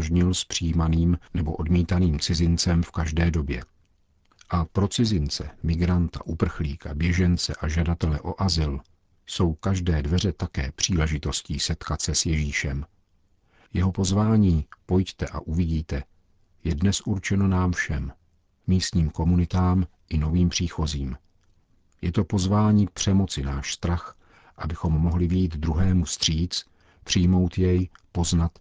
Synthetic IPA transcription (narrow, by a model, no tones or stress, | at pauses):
ʒɲɪlspr̝̥ijmaniːmnɛbo̞ʔo̞dmiːt̪aniːmt͡sɪzɪnt͡sɛmfkaʒdɛːdo̞bjɛ̰ | ʔapɾo̞t͡sɪzɪnt͡sɛ̰mɪɡɾant̪a̰ʔupr̩xliːka̰bjɛʒɛnt͡sɛ̰ʔaʒadat̪ɛlɛʔo̞ʔazɪl | so̞wkaʒdɛːdvɛr̝ɛt̪akɛ̰ːpr̝̥iːlɛʒɪt̪o̞sciːsɛt̪kat̪sɛsjɛʒiːʃɛm | jɛɦo̞po̞zvaːɲiːpo̞jct̪ɛʔa̰ʔuvɪɟiːt̪ɛ | jɛdnɛsʔuɾt͡ʃɛno̞naːmfʃɛmː | iːst̪ɲiːmko̞munɪt̪aːmʔɪno̞viːmpr̝̥iːxo̞ziːm | jɛt̪o̞po̞zvaːɲiːpr̝̥ɛmo̞t͡sɪnaːʃst̪ɾax | ʔabɪxo̞mːoɦlɪvɪjiːt̪d̪ɾuɦɛːmust̪r̝̥iːt͡s | pr̥ɪjmo̞wt̪jɛjpo̞znat̪